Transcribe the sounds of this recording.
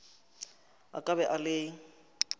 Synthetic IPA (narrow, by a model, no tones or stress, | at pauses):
a̰kʼabɛʔalɪ